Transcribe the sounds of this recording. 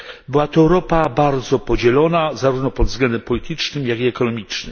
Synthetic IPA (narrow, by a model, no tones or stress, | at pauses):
bɘwat̪ɔɛwɾɔpabaɾd̪zɔpɔd͡ʑɛlɔnazaɾuvnɔpɔd̪vzɡlɛnd̪ɛmpɔlʲit̪ɘt͡ʂnɘmjaɡiɛkɔnɔmʲit͡ʂnɘm